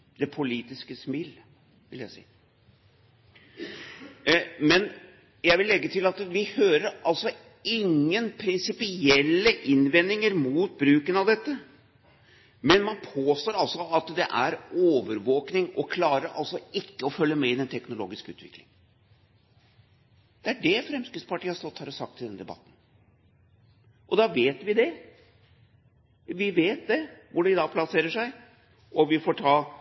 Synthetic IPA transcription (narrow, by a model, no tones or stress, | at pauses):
d̪ɛpʰʊliːt̪ɪskəsmɪl | ʋɪ̰ljæɪsḭːə | mɛn | jæɪʋɪlːɛɡːət̪ʰɪlɑt̪ʋɪhøːɾəɾɑlsɔ | ɪŋːənpʰɾɪnsɪpɪɛlːəʔɪnʋɛnːɪŋəɾmuːt̪̚bɾʉːkənɑʋd̪ɛt̪ːə | mɛnmɑnpʰoːst̪oːɾɑlsɔɑt̪d̪ɛʔæɾoːʋəɾʋoːknɪŋɔkʰlɑːɾəɾɑ̰lsɔɪkːəɔfœlːəmɛɪd̪ɛnt̪ʰɛknʊlo̰ːɡɪskəʉ̰ːt̪ʋɪ̰klɪ̰ŋ | d̪̥ɛæɖɛfɾɛmskɾɪt̪spʰɑʈiːəhɑʂst̪ɔt̪ːhæːɾɔsɑk̚t̪ʰɪld̪ɛnd̪ɛbɑ̰t̪ːn̩ | ʔɔd̪ɑʋeːt̪ʋɪd̪ɛ | ʋɪʋeːt̪̚d̪ɛʋʊɖɛɪd̪ɑːɡpʰlɑseːɾəʂæɪ | ʔɔʋɪfɔʈʰɑː